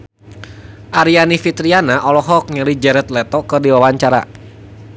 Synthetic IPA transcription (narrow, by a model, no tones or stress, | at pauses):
ʔaɾianifit̪ɾianaʔɔlɔɦɔk̚ɲəlid͡ʒɛɾɛt̪lɛt̪ɔkɨrdiwawaɲt͡ʃaɾa̰